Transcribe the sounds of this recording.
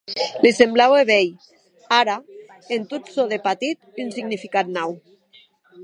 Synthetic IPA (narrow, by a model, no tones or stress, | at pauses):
lisemblaweβej | aɾa | ent̪ut̪soðepat̪it̪ynsiɡnifikat̪̚naw